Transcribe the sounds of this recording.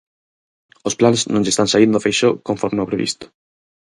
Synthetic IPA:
osplanznõnʎest̪ãnsaind̪ofejʃokõɱfoɾmeopɾeβḭst̪o̥

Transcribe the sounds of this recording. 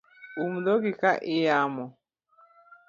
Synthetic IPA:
umdɔɡikaʔɪjamɔ

